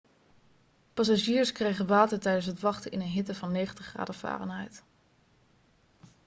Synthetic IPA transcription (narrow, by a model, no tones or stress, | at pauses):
pɑs̬aʒiːɹskrejχənʋaːtəɹtɛjdəns̬ɦətʋɑχtəʔɪnənɦɪtəvɑnːejχəntəχra̰ːdəva̰ːrə̰nɦɛ̰jt